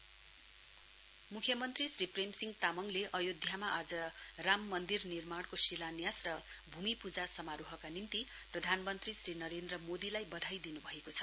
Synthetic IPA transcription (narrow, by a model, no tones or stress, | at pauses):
mukʰjʌmʌnt̪risripremsiŋɡt̪amʌŋleʔʌjod̪ʱjamaʔad͡zʌ | ramːʌnd̪irnirmaɽkosilanjasrʌ | bʱumipud͡zasʌmaɾuɦʌkanint̪i | prʌd̪ʱanmʌnt̪risrinʌɾend̪rʌmod̪ilajbʌd̪ʱajd̪inubʱʌekot͡sʰʌ̥